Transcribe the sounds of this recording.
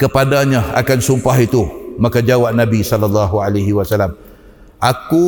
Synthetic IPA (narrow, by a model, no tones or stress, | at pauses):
kəpadaɲaa̰kansumpaɦit̪umakad͡ʒawaʔ̚nabisɔlalːaɦualaɦiwasalam | ʔaku